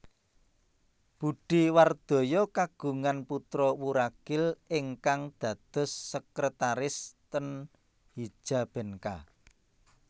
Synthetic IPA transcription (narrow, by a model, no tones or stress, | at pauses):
b̥uɖ̥iward̪̥o̤jɔkaɡ̥ṳŋanput̪ɾɔwuɾaɡ̥ɪlɪŋkaŋd̪̥ä̤d̪̥ʊ̤sːəkɾət̪aɾɪst̪ən | hi̥ʒ̥a̤b̥ɛ̤nka̰